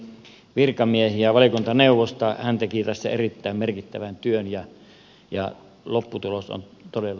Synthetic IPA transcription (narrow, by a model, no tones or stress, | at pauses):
ʋirkɑmiehiæʋɑlikunt̪ɑneuʋːˑost̪ɑhænt̪ekit̪æsːæ̰erit̪ːæˑimmerkit̪ːæʋænt̪yønjɑ | jɑ̰ | lopːut̪uloso̰nt̪odelː